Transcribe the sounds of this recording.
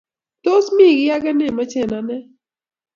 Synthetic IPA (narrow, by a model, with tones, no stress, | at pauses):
t̪o˦smĩ˦˨ɡɪ˦a˦ɡɛ˦ne˦˨mə˦t͡ʃe˨na˦nɛ˦